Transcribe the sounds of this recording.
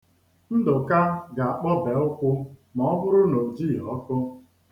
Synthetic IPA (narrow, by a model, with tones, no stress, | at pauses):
n̩˦dʊ˨ka˦ɡa˨a˨k͡pɔ˦be˨ʊ˦kʷʊ˦m˨ɔ˨˦bʊ˦ɾʊ˦no˨d͡ʒi˦˨ɔ˦kʊ˦